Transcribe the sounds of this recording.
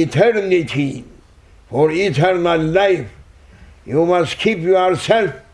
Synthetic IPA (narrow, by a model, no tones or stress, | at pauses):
tʰɛɾnitʰi | fɔɹitʰɛɾnallaɪf | jumaskʰipjuaɹsɛlf